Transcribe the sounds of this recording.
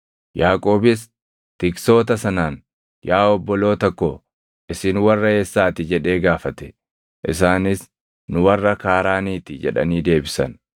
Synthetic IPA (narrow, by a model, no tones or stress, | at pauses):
jaːkʼo̞ːbɪs | t̪ɪkso̞ːt̪ɐsɐnaːn | jaːɔbːɔlo̞ːt̪ɐkːo | ʔɪsɪnwɐrːɐeːsːaːt̪ɪd͡ʒɛᶑe̞ːɡaːfɐt̪ɛ̥ | ʔɪs̬aːnɪs | nʊwɐrːɐkaːɾaːniːt̪ɪd͡ʒɛᶑɐ̰niːd̪e̞ːbɪsɐn